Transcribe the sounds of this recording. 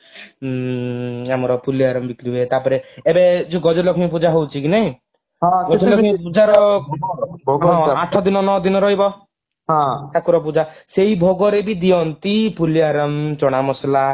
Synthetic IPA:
amɔɾɔpuliaɾɔmbikɾibet̪apɔɾeːbed͡ʒuɡɔd͡ʒɔlɔkʰimp̬ud͡ʒaɦowt͡ʃʰikineĩ | ɦɔ̃ɡɔkilɔipud͡ʒaɾɔ | ɡɦɔ̃aʈʰɔd̪inɔnɔd̪inɔɾɔɦibɔ | ɦɔ̃t͡ʃʰakuɾɔp̬ud͡ʒaseɦibʱoɡɔɾebid̪iɔnt̪ipuliaɾɔmt͡ʃɔɽ̃amɔsla

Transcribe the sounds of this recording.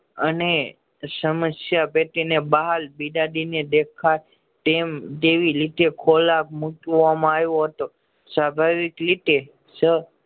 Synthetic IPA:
əne | səməsjapet̪inebaɦalbiɖaɖined̪ekʰa | t̪emt̪eʋilit̪ekʰolak̚muʈamãajõɦət̪o | sabʱaʋiklit̪e | sə

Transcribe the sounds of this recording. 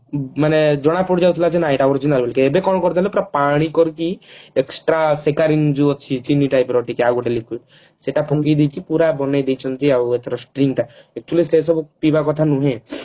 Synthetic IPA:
maned͡ʒɔɽ̃apuʈd͡ʒawt̪ʰilat͡ʃenajʈaɔɾid͡ʒinalbelkeebekɔnkɔɾt̪elepɾapaɽ̃ikɔɾkieksʈɾasekaɾind͡ʒuɔt̪ːt͡ʃʰit͡ʃinːiʈajpɾɔʈikeaɡuʈelikiʈ | seʈapʰɔkid̪ikipuɾabɔnajd̪ejt͡ʃʰɔnt̪iawet̪ɾɔsʈɾiŋɡʈaek̚t͡ʃulises̬ɔbpibakɔt̪ʰanuɦẽ

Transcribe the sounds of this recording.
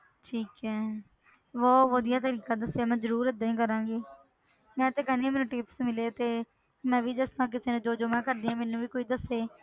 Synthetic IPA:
ʈʰiːkɦɛː | ʋoːʋəd̪ɪjaːt̪əɾiːkaːd̪əsːeaːmɛ̃ːzəɾuːɾəd̪aːĩːkəɾãːɡiː | mɛ̃ːt̪eːkənẽːmɛːnũːʈɪːpsmɪleːt̪eː | mɛ̃ːʋiːd̪əsnãːk̬ɪseːnẽːd͡ʒoːd͡ʒʊmãːkəɾd̪ĩːãːmɛːnũːʋiːkoːiːd̪əseː

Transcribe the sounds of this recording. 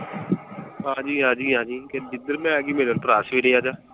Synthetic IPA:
ɦãːd͡ʒiːɦãːd͡ʒiːɦãːd͡ʒiːked̪ɪd̪əɾmɛ̃ːɛːɡiːmeːlont̪ɾaːsʋiːɾeːaːd͡ʒaː

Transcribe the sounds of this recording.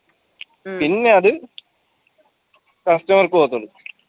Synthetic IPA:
pinːe̞ɐðɨ | kɐsʈɐmɐrkɨpoːt̪ːɐlu

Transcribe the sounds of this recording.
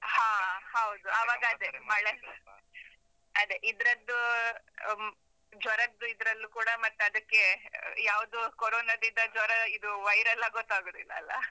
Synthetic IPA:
haːhɐwud̪uɐʋaːɡɐɐd̪emɐɭe | ɐd̪eʔid̪ɐɾɐd̪ːu | d͡ʒɔɾɐd̪ːuid̪ɾɐlːukuːɽɐmɐt̪ːɐd̪ɐkːe̞jaːʋud̪ukoɾoːnɐd̪ind̪ɐd͡ʒɔɾɐid̪uʋɐjɾɐlːaɡot̪ːaːɡod̪ilːɐːlːɐ̰

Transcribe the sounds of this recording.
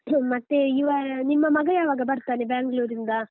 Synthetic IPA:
mɐt̪ːe̞iʋaːnimːɐmɐɡɐjaːʋaːɡɐbɐɾt̪aːnebaːŋɡɐɭuːɾind̪ɐ

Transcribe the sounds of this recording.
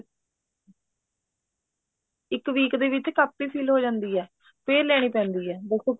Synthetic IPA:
ɪkʋiːkd̪eːʋɪt͡ʃkaːpːiːpʰiːlɦoːd͡ʒãːnd̪iːɦɛː | pʰeːɾlɛːɽ̃iːpɛ̃ːnd̪iːɦɛːd̪ɪkʰoː

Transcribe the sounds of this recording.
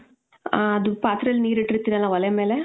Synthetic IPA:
ɐd̪upaːt̪ɾɐɐlːiniːɾiʈːɾit̪ːiɾɐlːaʋɐleme̞ːle

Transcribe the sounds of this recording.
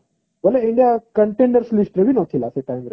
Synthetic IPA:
bəleiɳɖijakəɳʈẽɳɖəɾsulisʈɾeʋinɔt̪ʰilaseʈajmɾḛ

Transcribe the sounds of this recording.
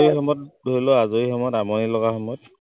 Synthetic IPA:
ixɔmɔt̚dʱolɔazoixɔmɔtamɔnilɔɡaxɔmɔjt̚

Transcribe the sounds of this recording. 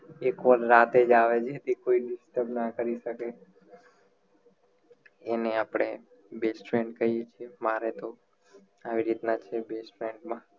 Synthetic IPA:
ekʋəlɾat̪ed͡ʒaʋed͡ʒet̪ikoiɖɪsʈəɾbnakəɾiʃəke | eneapɽ̃e | besʈfeɳɖkəɦijet͡ʃʰiemaɾet̪o | aʋiɾit̪nat͡ʃʰebesʈfɾeɳɖmã

